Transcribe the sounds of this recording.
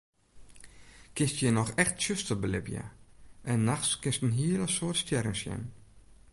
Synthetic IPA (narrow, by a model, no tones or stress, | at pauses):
kɪnstjənɔxɛxtsøstəlˠbəlɪ̰pjə̰ʔɛnːaxskɪnstənɦiələsoːtstjɛɾənsjɛ̰n